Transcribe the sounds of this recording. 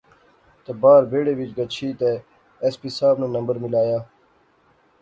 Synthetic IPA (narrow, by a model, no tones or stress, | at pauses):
t̪ebaːɾbeːɽeʋit͡ʃɡɐt͡ɕʰiːt̪eː | espiːsaːbneːnɐmbəɾmilaːjaː